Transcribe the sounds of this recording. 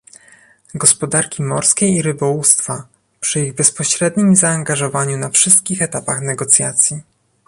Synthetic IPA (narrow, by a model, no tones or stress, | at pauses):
ɡɔspɔd̪aɾkʲimɔɾskʲejiɾɘbɔwust̪fa | pʂɘiɣbɛspɔɕɾɛd̪ɲimzaːŋɡaʐɔvaɲunafʂɘst̪̚kʲixɛt̪apaxnɛɡɔt̪sʲjat̪sʲji